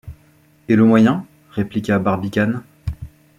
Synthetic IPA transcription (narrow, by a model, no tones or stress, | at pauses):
eləmwajɛ̃ | ʁeplikʲabaʁbikʲan